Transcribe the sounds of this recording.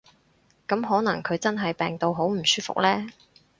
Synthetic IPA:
kɐ˨˥mɦɔː˨˥nɐ˨˩ŋkʰɵ˨˧ɥt͡sɐ˥nɦɐ˨jpɛː˨ŋt̪o˨wɦo˨˥wm̩˨˩syː˥fʊ̰˨k̚lɛː˥

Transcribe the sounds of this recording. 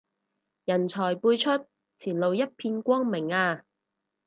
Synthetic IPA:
jɐ˨˩nt͡sʰɔː˨˩jpuː˧jt͡ʃʰɵ˥t̚ | t͡sʰiː˨˩nlo˨wjɐ˥t̚pʰiː˧nkʷɔː˥ŋmɪ˨˩ŋaː˧

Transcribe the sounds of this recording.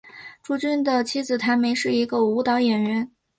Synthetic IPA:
ʈ͡ʂu˥t͡ɕy˥nd̪ə˨t͡ɕʰi˥d͡zɹ̩˨˩t̪ʰa˧˥ɪme˧˥ɪʂɻ̩˥˩i˧˥ɡə˧u˧˥t̪ɑ˧˥ʊjɛ˨˩nɻə˧˥n

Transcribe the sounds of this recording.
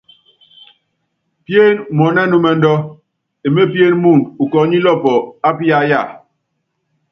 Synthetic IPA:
pje˦˨nmɔ˨nɛ˦nu˦mɛ˨n̩˦dɔ˦ | e˨me˦pje˦nmu˦˨nu˨kɔ˨˦ɲi˦lɔ˦pɔ˨a˦pi˦a˦ja˦˨

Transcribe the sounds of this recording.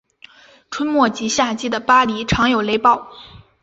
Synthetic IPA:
ʈ͡ʂʰwə˥nmwɔ˥˩t͡ɕi˧˥ɕja˥˩t͡ɕi˥d̪ə˨pa˥li˧˥ʈ͡ʂʰɑ˧˥ŋjo˨˩ʊle˧˥ɪpɑ˥˩ʊ

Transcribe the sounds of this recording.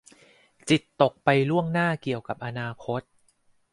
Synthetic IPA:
t͡ɕi˨˩t̪ːo˨˩k̚pa˧jlu˥˩əŋnaː˥˩ki˨˩əwka˨˩p̚ʔa˧naː˧kʰo˦˥t̪̚

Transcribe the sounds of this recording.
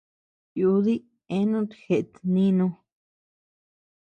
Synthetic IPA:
ju˧˦ði˦ | ẽ˦nũ˦t̪xe˨ʔt̪nĩ˦nũ˧

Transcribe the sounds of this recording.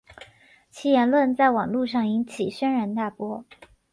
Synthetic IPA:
t͡ɕʰi˥jɛ˧˥nlwə˥˧nt͡sa˥˩ɪwɑ˨˩ŋlu˥˧ʂ̬ɑ˥˩ŋi˧˥nt͡ɕʰi˨˩ɕɥɛ˥nɻa˧˥nt̪a˥˩pwɔ˥

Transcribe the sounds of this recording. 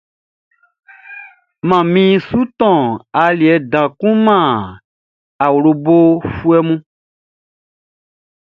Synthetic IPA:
mã˨mĩ˦su˦t̪ɔ̃˨a˨li˨ɛ˨dã˨kũ˦mã˦˨ | a˨wlo˨bo˦fu˦ɛ˦mũ˦

